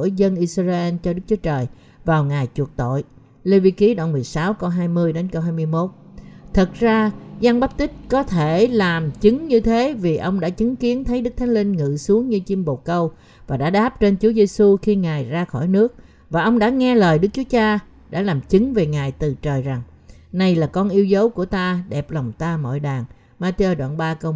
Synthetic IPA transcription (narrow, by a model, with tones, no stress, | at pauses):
əzə˧nʔi˧sza˧ʔe˧nt͡ɕɔ˧ɗɨ˦˥k̚t͡ɕu˨˦ət͡ɕəː˨˩j | vaː˨˩wŋaː˨˩jt͡ɕu˨˩ək̚t̪o̰˧˨j | le˧vi˧ki˨˦ɗɔ˧wŋ͡mmɨ˨˩əjsaː˨˦wkə˧wɦaː˧jmɨ˧əjɗe˨˦nkə˧wɦaː˧jmɨ˧əjmo˦˥t̚t̪ʰə˨˩t̚zaː˧za˧ŋɓa˦˥p̚t̪ï˦˥t̚kɔ˨˦t̪ʰe˧˩laː˨˩mt͡ɕɨ˨˦ŋɲɨ˧t̪ʰe˨˦vi˨˩ʔə˧wŋ͡mɗa̰ː˧˥t͡ɕɨ˨˦ŋki˨˦ənt̪ʰə˨˦jɗɨ˦˥k̚t̪ʰːŋ̟li˧ŋŋɨ̰˧˨su˨˦əŋɲɨ˧t͡ɕi˧mɓo˨˩kə˧w | vaː˨˩ɗa̰ː˧˥ɗaː˦˥p̚t͡ɕe˧nt͡ɕu˨˦əze˧su˧xi˧ŋaː˨˩jzaː˧xɔ˧˩jnɨ˦˥ək̚ | vaː˨˩ʔə˧wŋ͡mɗa̰ː˧˥ŋɛ˧ləː˨˩jɗɨ˦˥k̚t͡ɕu˨˦ət͡ɕaː˧ | ɗa̰ː˧˥laː˨˩mt͡ɕɨ˨˦ŋve˨˩ŋaː˨˩jt̪ɨ˨˩t͡ɕəː˨˩jza˨˩ŋ | na˧˩jlaː˨˩kɔ˧nʔi˧əwzə˨˦wku˧˩ət̪aː˧ɗɛ˨˩p̚la˨˩wŋ͡mt̪aː˧mɔ̰˧˨jɗaː˨˩ŋ | maː˧t̪e˧o˧ɗwa̰ː˧˨nɓaː˧kə˧w